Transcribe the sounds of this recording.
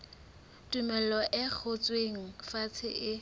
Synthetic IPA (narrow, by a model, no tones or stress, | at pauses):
tʼumɛlɔʔɪk͡xʰʊt͡sʼweŋ̩fat͡sʰɪʔɪ